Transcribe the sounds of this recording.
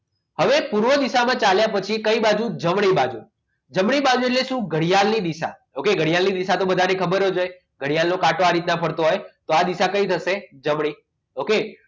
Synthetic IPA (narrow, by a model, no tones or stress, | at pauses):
həʋepuɾʋəd̪iʃamãt͡ʃaljapət͡ʃʰikəibad͡ʒud͡ʒəmɳibad͡ʒu | d͡ʒəmɽibad͡ʒueʈ̬leʃũɡʱəɽijalnid̪iʃa̰ | okeɡʱəɽijalnid̪iʃat̪obəd̪ʱanekʰəbəɾod͡ʒoj | ɡʱəɽijalnokaʈoaɾit̪napʰəɽt̪oɦojt̪oad̪iʃakəit̪ʰəʃed͡ʒəmɽi | oke